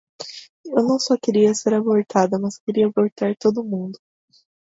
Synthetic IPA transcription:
ewnɐ̃w̃sɔkeɾiɐseɾaboɾt̪ʰad̪ɐmɐskeɾiɐaboɾt̪aɾt̪od̪ʊmũnd̪ʊ

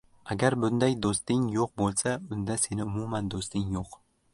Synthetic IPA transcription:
aɡʲaɾbʊnd̪ajd̪ost̪ɪŋjoq̚bolˠsaʊnd̪ase̞nɪʊmʊmand̪ost̪ɪŋjoq

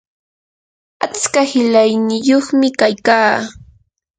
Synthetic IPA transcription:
at͡skahɪlajnɪjoχmɪkajkaː

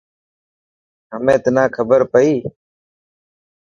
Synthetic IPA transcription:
ɦəmẽːt̪ənãːkʰəbəɾpəiː

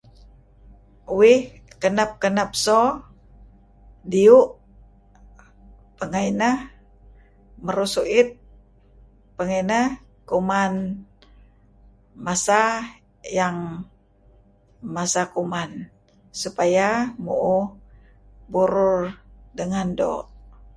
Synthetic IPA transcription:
wih | kənap̚kənap̚so | diuʔ | pəŋainah | məɾusuʔɪt̪̚ | pəŋanah | kuman | masa | jaŋ | masakuman | supajamuʔu | buɾurdəŋando̰ʔ

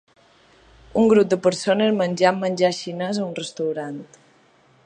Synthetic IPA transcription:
uŋɡɾup̚d̪əpəɾsonəzmənʲd͡ʒamːənʲd͡ʒaʃinəzəunrəst̪əwɾant̪

